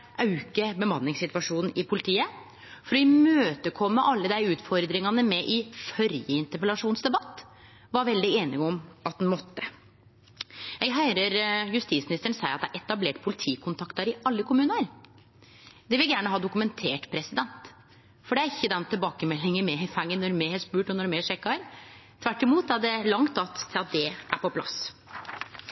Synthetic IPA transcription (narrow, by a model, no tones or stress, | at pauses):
ʔɑʉkəbəmɑnːɪŋsɪt̪ʋɑʂuːnn̩ʔɪpʰʊlɪt̪ʰiːə | fɔɾɔɪmøːt̪əkʰɔmːəʔɑlːəd̪æɪʉːt̪fɔɾd̪ɾɪŋɑnəmɛʔɪfœɾjəɪnt̪əɾpəlɑʂuːnsd̪ɛbɑt̪ː | ʋɑɾʋɛld̪ɪeːnɪɡɔmɑt̪̚d̪nmɔt̪ːə | jɛɡɦæɪɾəɾjʉst̪iːtsmɪnɪst̪əɳ̩sæɪɑt̪̚d̪ɛæʔɛt̪ɑbleːʈpʰʊlɪt̪ʰiːkʰʊnt̪ʰɑkt̪əɾɪʔɑlːəkʰʊmʉːnnəɾ | d̪ɛʋɪljæːɳəɦɑːd̪ʊkʉmɛnt̪ʰeːʈpʰɾɛsɪd̪ɛnt̪ | fɔɖɛæɾɪçːəd̪ɛnt̪ʰɪlbɑːkəmɛlːɪŋəmɛɪfæŋːənɔɾmehɛspʉːʈɔnɔɾmeːʂɛkːɑɾt̪ʰʋæʈːɪmuːt̪æɖɛlɑŋt̪ɑt̪ʰːɪlɑt̪̚d̪ɛʔæ̰pɔpʰlɑ̰s